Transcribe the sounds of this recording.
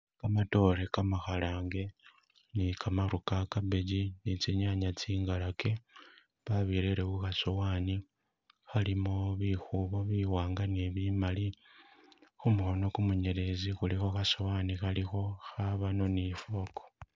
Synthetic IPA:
kamato̞ɾekamaxalaːŋɡe̞ | nikamaɾukakaβeɟinit͡siɲaɲat͡siːŋɡalake̞ | βaβiɾeɾewuxasowaːni | xalimoβixuβoβiwaːŋɡaniβimali | xumuxo̞no̞kumuɲe̞ɾe̞zixulixo̞xasowaːnixalixo̞xaβano̞nifo̞ko̥

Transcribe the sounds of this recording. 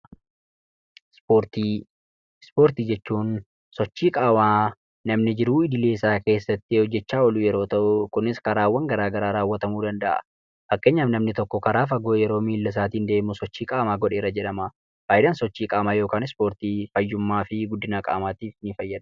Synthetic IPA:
spoːɾt̪iː | spo̞ːɾt̪iːd͡ʒɛt͡ʃːuːn | sɔt͡ʃːiːkʼaːmaː | nɐmnɪd͡ʒɪɾuɪd̪ɪle̞ːsaːke̞ːsːɐt̪ːɪhɔd͡ʒːɛt͡ʃːaːɔlʊjɛɾoːt̪ɐʔʊkʊnɪskɐɾaːwːɐŋɡɐɾaːɡɐɾaːɾaːwːɐt̪ɐmuːd̪ɐnd̪ɐʔɐ̰ | fɐkːeːɲːaːmnɐmnɪt̪ɔkːɔkɐɾaːfɐɡoːjɛɾo̞ːmiːlːɐs̬aːt̪iːnd̪e̞ːmʊsɔt͡ʃːiːkʼaːmaːɡɔᶑeːrɐd͡ʒɛᶑɐmɐ | baːjd̪ɐnsɔt͡ʃːiːkʼaːmaːjo̞ːkaːnɪspo̞ːɾt̪iːfɐjːʊmːaːfɪɡʊd̪ːɪnaːkʼa̰ːmaːt̪iːfnɪfɐjːɐd̪̥

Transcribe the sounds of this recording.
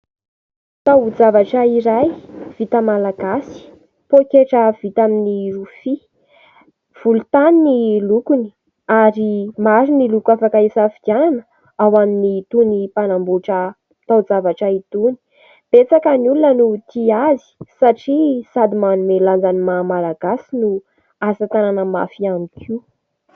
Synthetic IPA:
t̪awd͡zavaʈ͡ʂəiɾajv̥it̪əmalaɡasi̥ | pokeʈ͡ʂəv̥it̪aminirufi | v̥ulut̪aninilukuni̥ | aɾimaɾinilukafakaisafid͡ʒananə̥ | awaminit̪unipanambuʈ͡ʂə | t̪awzavaʈ͡ʂəit̪uni̥ | b̥et͡sakəniulunənut̪iazi̥saʈ͡ʂisad̪imanumeland͡zanimamalaɡ̥asinu | asat̪ananəma̰fiamikʰi

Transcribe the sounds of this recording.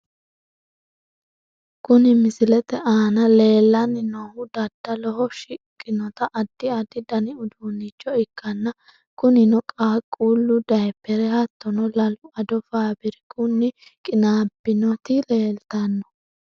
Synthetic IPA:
kʊnɪmɪsɪlɛt̪ɛʔaːnɐle̞ːlːɐnːɪnɔhʊd̪ɐd̪̥ːɐlɔhɔʃɪkʼːɪnɔt̪ɐʔɐd̪̥ːɪɐd̪ɪd̪ɐnɪʊd̪uːnːɪt͡ʃːɔɪkːɐnːɐ | kʊnɪnɔkʼaːkʼuːlːʊd̪ɐjɛpːɛɾɛhɐt̪ːɔnɔlɐlʊɐd̪ɔfaːbɪɾɛkʼʊnːɪkʼɪnaːbːɪnɔt̪ɪle̞ːlt̪ɐnːɔ̥

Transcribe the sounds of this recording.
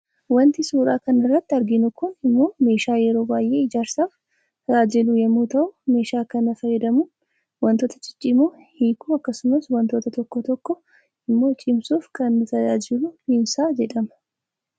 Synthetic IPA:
wɐnt̪ɪsuːɾaːkɐnɪrːɐt̪ːɪɐɾɡɪnʊkʊnɪmːo̞ːme̞ːʃaːjɛɾo̞ːbaːjʔe̞ːɪd͡ʒaːɾsaːf | daːd͡ʒɪlujɛmːuːt̪ɐʔʊme̞ːʃaːkɐnɐfɐɾjɛd̪ɐmʊ | wɐnt̪oːt̪ɐt͡ʃʼɪ̥t͡ʃʼːɪmu | hiːkuːɐkːɐsʊmɐswɐnt̪o̞ːt̪ɐt̪ɔkːɔt̪ɔkːɔ | ɪmːo̞ːt͡ʃʼɪmsuːfkɐnːɪt̪ɐd͡ʒaːd͡ʒɪluhɪnsaːd͡ʒɛᶑɐmɐ̥

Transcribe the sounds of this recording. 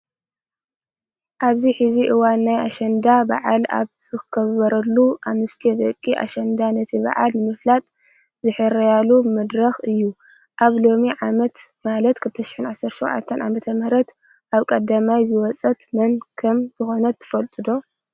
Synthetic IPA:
ʔaβziħiziʔɨwanːaja̰ʃɐnd̪aba̰ʕala̰βzɨkɨɡɐβɐɾɐlːuʔamɨst̪ʰied̪ɐkʼːiʔa̰ʃɐnd̪anɨt̪ʰiβa̰ʕa̰lnɨmɨflat̪ʼ | zɨħɨɾɐjalumɨd̪ɾɐxɨjːu | ʔaβlo̞miʕamɐt̪malɐt̪kʰɨlt̪ʰɐʃɪ̥ħɨnʕasːɐɾʃowʕa̰t̪ʰːɐnʕa̰mɐt̪ʰɐmhɾɐt̪ | ʔaβkʼɐd̪amajzɨwɔt͡sʼɐt̪mɐnkʰɐmzɨxo̞nɐt̪ʰːɨ̥fɐlt̪ʼɨd̪o̞

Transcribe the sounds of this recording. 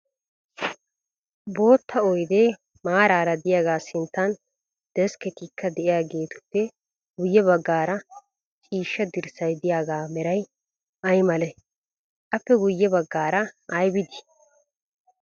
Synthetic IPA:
bo̞ːt̪ʰːɐɔjd̪e | maːɾaːɾɐd̪ɪjaːɡaːsɪnt̪ːɐn | d̪̥ɛskɛt̪ikʰːɐd̪ɛʔɪjaːɡe̞ːt̪ʊ̥pːɛ | ɡʊjːɛbɐɡːaːɾɐ | t͡ʃʼiːʃːɐd̪ɪɾsɐjd̪ɪjaːɡaːmɛɾɐj | ɐjmɐlɛ | ʔɐpːɛɡʊjːɛbɐɡːaːɾɐʔɐjbɪd̪ɪ̥

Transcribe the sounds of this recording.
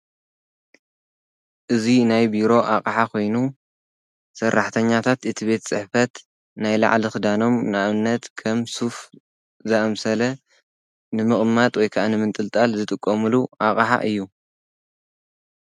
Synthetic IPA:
ʔɨzinajbiɾo̞ʔaqʼħakʰo̞jnu | sɐrːaħt̪ʰɐɲːat̪ʰat̪ɨt̪ʰibe̞t̪t͡sʼɨħfɐt̪ | najla̰ʕlixɨd̪ano̞mnɨʔaβɨnːɐt̪kʰɐmsuf | zɐʔɐmsɐlɐ | nɨmɨχʼmat̪ʼwɔjkʰaʔanɨmɨnt̪ʼɨlt̪ʼalzɨt̪ʼɨkʼːɐmɨluʔakʼħa̰ʔɨjːu

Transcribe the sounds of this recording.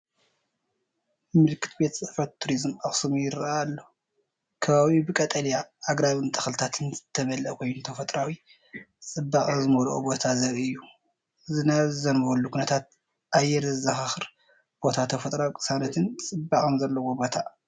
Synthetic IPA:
mɨlkʰɨ̥t̪be̞t̪sʼɨfɐt̪ʰːuɾizmaxsumujɪɾalːo | kʰɐβaβibɨkʼɐt̪ʼɐljaːɡɾaβɨnt̪ʰɨ̥xlɨt̪ʰat̪ʰɨnzɨt̪ʰːɐβɐlɐʔkʰojnut̪ʰɐfɐt̪ʼɾawi | t͡sʼɨbːaχʼzɨmolʔobo̞t̪ʰazɐɾiɨjːu | ɨzɨnaβɨzɐnbɐlːukʰunɐt̪ʰat̪̚ | ʔajːɛɾɨzɐhaxɨɾ | b̥o̞t̪ʰat̪ʰɐfɐt̪ʼɾawikʼɨ̥sanɐt̪ʰɨnt͡sʼɨbːaχʼɨmzɐlːɐwobo̞t̪ʰa

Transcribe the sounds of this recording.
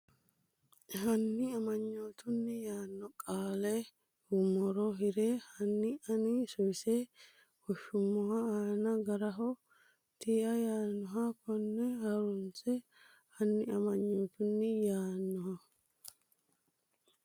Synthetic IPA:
hɐnːɪɐmɐɲːoːt̪ʊnːɪjaːnːɔkʼaːle | hʊmɔɾɔɦɪɾeːhɐnːɪɐnɪsɔse | hɔʃːʊmːɔhaaːnɐɡɐɾɐɦɔ | t̪ʰiːʔɐjaːnːɔɦakɔnːɛhɐɾʊnt͡sɛ | hɐnːɪɐmɐɲːoːt̪ʊnːɪjaːnːɔɦɐ

